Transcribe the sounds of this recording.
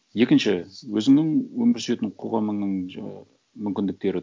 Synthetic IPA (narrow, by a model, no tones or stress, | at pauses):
je̞kʲɪnʃɪwɵzɪŋnɪŋwɵmɪɾsʏe̞t̪ɪɴqʰo̞ʁɑməɴnəɴ | mʏmkʲɪnd̪ɪk̚t̪e̞ɾɪ